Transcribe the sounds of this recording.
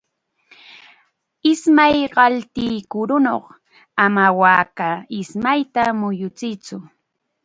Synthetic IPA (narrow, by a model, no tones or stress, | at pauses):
ɪsmajɢɑlt̪ɪːkʊɾʊno̰χ | amawaːkaɪsmajt̪amʊjʊt͡sɪt͡sʊ